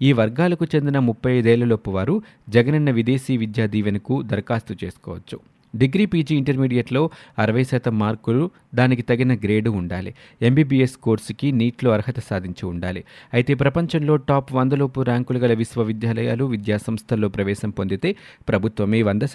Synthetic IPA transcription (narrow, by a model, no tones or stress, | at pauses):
iːʋɐɾɡaːlɐkut͡ʃe̞nd̪inɐmupːɐjɐjd̪ɛːlːɐlopuʋaːɾu | d͡ʒɛɡɐnɐnːɐʋid̪e̞ːsiːʋid̪jaːd̪iːʋɐnɐkud̪ɐɾkaːst̪ut͡ʃe̞ːsu̥kɔ̰ːʋɐt͡ʃːu̥ | ɖiɡɾiːpiːd͡ʒiːɳʈɐɾmiːɖijɐʈlo̞ːɐɾɐʋɐjʃɛːt̪ɐmːaːɾkulu | d̪aːnikit̪ɐɡinɐɡɾe̞ːɖuːɳɖaːlḭ | e̞mbiːbiesko̞ːɾskiniːʈlo̞ːɐɾɐɦɐt̪ɐsaːd̪ʱiɲt͡ʃuuɳɖa̰ːlḭɐjit̪e̞ːpɾɐpɐɲt͡ʃɐnlo̞ːʈaːpʋɐnd̪ɐloːpuɾaːŋkulɐɡɐlɐʋisʋɐʋid̪jaːlɐjaːluʋid̪jaːsɐmst̪ʰɐlo̞ːpɾɐʋɛːʃɐmpo̞nd̪it̪e̞ː | pɾɐbʱut̪ʋɐmeːʋɐnd̪ɐ